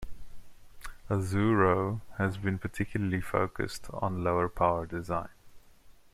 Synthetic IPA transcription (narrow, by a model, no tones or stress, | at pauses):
əzuːɹoʊhəzbĩnpʰətʰɪkʰjʊləlifo̰ʊkə̰stʰn̩loʊəpʰaʊədɪzãɪ̃n